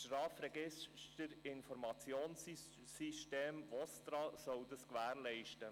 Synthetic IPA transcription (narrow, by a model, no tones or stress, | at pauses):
ʃɾɑːfɾɛɡɪstəɾɪnfɔɾmɑt͡sjoːns | siʃteːmvost̪ɾɑsɔwd̪əskʋæːɾlɛɪʃtə